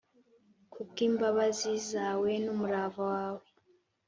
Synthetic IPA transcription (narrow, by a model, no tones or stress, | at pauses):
kʰukiːmbaβazizaːwe̞numuɾaːvawaːwe